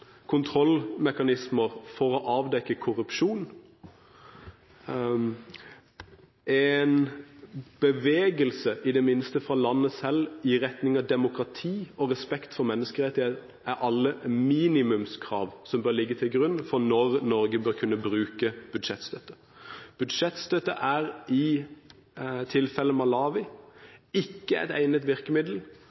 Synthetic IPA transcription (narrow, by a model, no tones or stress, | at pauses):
kʰʊnt̪ʰʁɔlmɛkɑnɪsməʁfɔɾɔʔɑːʋd̪ɛkːəkʰʊɾʉpʃuːn | ʔɛn | b̥əʋeːɡəlsəʔɪd̪ɛmɪnst̪əfɾɑːlɑnːəsɛlɪʁɛt̪nɪŋɑd̪ɛmʊkɾɑt̪ʰiːɔʁɛspɛkt̪fɔɾmɛnːəskəʁɛt̪ɪet̪ | ʔæɾʔɑlːəmiːnɪmʉmskʰɾɑ̰ːʋsɔmbøːɾlɪɡːət̪ʰɪlɡɾʉnːfɔʁnɔʁnɔɾɡəbøːɾkʰʉnːəbʁʉːkəb̥ʉd̪ʂɛt̪st̪œt̪ːə | b̥ʉd̪ʂɛt̪st̪œt̪ːə̰ʔæʁɪ | t̪ʰɪlfɛlːəmɑlɑːʋɪ | ɪkːəɛ̰t̪æ̰ɪnət̪ʋɪʁkəmɪd̪l̩